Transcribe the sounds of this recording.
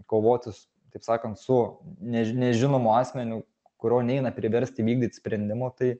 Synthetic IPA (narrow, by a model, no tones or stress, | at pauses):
koːʋoːt̪ʲɪs | t̪ɐɪpsɑːkɐnt̪sʊnʲɛnʲɛʒʲɪnoːmʊɑːsʲmʲɛnʲʊ | kʊɾʲoːnʲɛɪnɐpʲɾʲɪʋʲɛɾʲsʲt̪ʲɪʋʲiːɡ̚d̪ʲiːt̪ʲsʲpʲɾʲɛnʲd̪ʲɪmoːt̪ɐɪ